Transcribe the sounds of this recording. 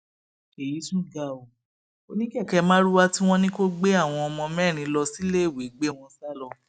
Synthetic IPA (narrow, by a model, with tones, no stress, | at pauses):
e˨ji˨˦sũ˦˨ɡa˨o˨ | o˦˧nĩ˦kɛ˦˨kɛ˧mãː˦ɾu˦wa˦ti˦w̃ɔ̃˦nĩ˦ko˦ɡ͡be˦a˦˨w̃ɔ̃˧ɔ˧mɔ̃˧mɛː˦˨ɾ̃ĩ˧lɔ˧si˦le˦˨wi˨˦ɡ͡be˦˨w̃ɔ̃˧sa˦lɔ˧˨